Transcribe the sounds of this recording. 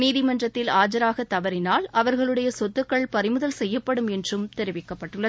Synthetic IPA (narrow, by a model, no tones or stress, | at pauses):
niːðɪmɐndrɐt̪ːɪlaːd͡ʒɐɾaːɣɐt̪ːɐʋɐɾɪnaːlʔɐʋɐɾɣɐɭɯɽɐjɐsɔt̪ːɯkːɐɭpɐɾɪmɯðɐlsɛjːɐpːɐɽɯmɛndrɯmt̪ɛɾɪʋɪkːɐpːɐʈːɯɭːɐð